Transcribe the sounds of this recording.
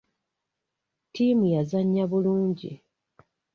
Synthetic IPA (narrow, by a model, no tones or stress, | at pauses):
tiːmujazaɲːaβuluːɲɟḭ